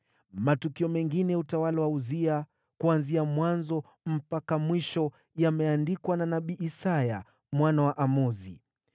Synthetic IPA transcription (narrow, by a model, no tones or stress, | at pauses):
matukiɔmɛŋɡinɛutawalawauzia | kuanziamwanzɔ | m̩pakamwiʃɔ | jamɛandikwananaɓiʔːsaja | mwanawaʔamɔzi